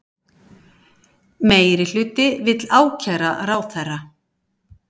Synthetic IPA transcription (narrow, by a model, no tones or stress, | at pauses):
meːjɾɪl̥ʏːt̪ɪvɪt̪laːwcʰɛɾa̰ɾaːwθɛrːa